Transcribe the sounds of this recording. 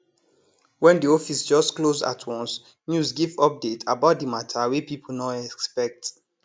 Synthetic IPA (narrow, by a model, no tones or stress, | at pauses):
wɛ̃ndiɔfisd͡ʒɔstkloza̰tʰwɔ̃ns | njusɡivɔp̚detʰabaʊt̚dimatʰawipipʰol̩nɔɛkspɛk̚t